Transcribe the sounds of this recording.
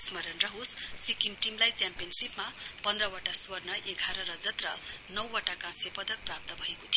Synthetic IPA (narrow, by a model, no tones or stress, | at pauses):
smʌɾʌnrʌɦosːikimʈimlajt͡sjampijʌnsipmapʌnd̪rʌwaʈaswʌrnʌʔeɡʱaɾʌɾʌd͡zʌt̪rʌnʌwaʈakãsepʌd̪ʌk̚prap̚t̪ʌbʱʌekot̪ʰijo